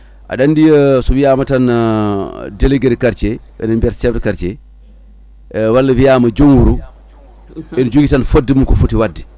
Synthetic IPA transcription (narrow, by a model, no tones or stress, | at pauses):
ʔa̰ɗanːdijəsɔwijaːmatan | deleɡeɾkaɾt͡ʃɛ | ɛ̰nanbiatsɛftikaɾt͡ʃɛ | walːɐwijaːmɐd͡ʒoŋwuɾu | ɛnud͡ʒuɡitanfodːimunkɔfutiwadːi̥